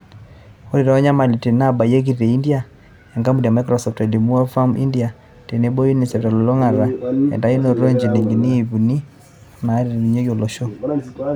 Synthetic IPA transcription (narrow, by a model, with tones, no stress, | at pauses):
o˦ɾi˨ɾɛ˨ɔ˦ɲa˦ma˨li˨te˨na˦ba˨je˦ki˦ɾi˨ɾe˨i˦ndja˨ | ɛ˨ŋɡa˦mu˨di˨a˨ma˦kɾɔ˨sɔ˨fte˨di˨mu˦ɛ˦fa˦mʔḭ˦ndi˨a˨ | te˨ne˦bo˦ji˦ni˨sɛ˨pta˨lo˨lo˦ŋa˨ɾa˨ɛ̰˨nda˨˦i˦no˨ɾo˦ɲd͡ʒe˨ne˨ŋɡi˨niː˦˨βu˨ni˦ | na˨˦ɾeɾe˨ni˨ɲo˦jo˨lo˨ʃo˦